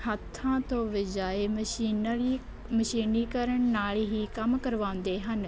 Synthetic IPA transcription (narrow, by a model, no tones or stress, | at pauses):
ɦət̪ʰːãːt̪õːʋəd͡ʒaːemiːi | məʃiːniːkəɾəɳnaːɭɦiːkəmkəɾʋãːʊ̃nd̪eːɦən